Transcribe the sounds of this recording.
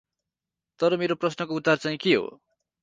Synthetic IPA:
t̪ʌɾʌmeɾoprʌsnʌkoud̪art͡saĩkiɦo̰

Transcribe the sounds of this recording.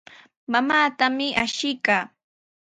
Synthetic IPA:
mamaːt̪amɪʔaʃɪkaː

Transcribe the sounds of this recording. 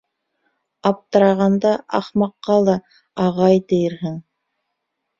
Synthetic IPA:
ɑp̚t̪ɤ̆ɾɑʁɑnd̪ɑɑ̰χmɑqːɑlˠɑ | ɑʁɑjt̪ɘ̆jɘ̆ɾɦɘŋ

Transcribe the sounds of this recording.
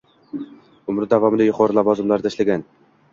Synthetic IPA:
ʊmɾɪd̪avɒmɪd̪ajʊqʰɒɾɪlɒvɒzɪmlaɾt̪ʰaʃlaɡʲan

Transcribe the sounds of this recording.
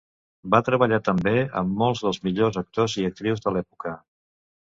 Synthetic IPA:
bat̪ɾəβəʎat̪əmbeə̰mːɔlˠzðəlˠzmiʎozək̚t̪oziək̚t̪ɾiwzðəlɛpukə

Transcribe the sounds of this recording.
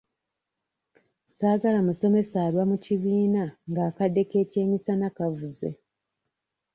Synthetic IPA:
saːɡalamuso̞me̞saːɾwamuciβiːnaŋɡaːkadːe̞ke̞ːce̞ːmisanakavuzḛ

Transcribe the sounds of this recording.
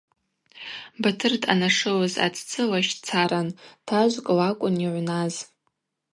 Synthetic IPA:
batʰɨrtʰʼa̰naʂɨlaza̰tʰt͡sʰɨlaʃt͡sʰaɾantʰaʒʷkʼɨlakʷʼʊniʕʷnaz

